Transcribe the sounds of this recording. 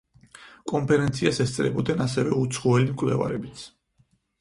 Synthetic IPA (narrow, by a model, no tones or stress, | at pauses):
kʼɔmpʰɛɾɛnt̪sʰiasɛst̪sʼɾɛ̰bɔd̪ɛnasɛvɛut̪sʰχɔɛlimkʼvlɛ̰va̰ɾɛbit̪sʰ